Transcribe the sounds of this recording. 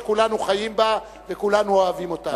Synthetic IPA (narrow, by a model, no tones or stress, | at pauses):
kulanuχajimba | vekulanuoavimo̞ta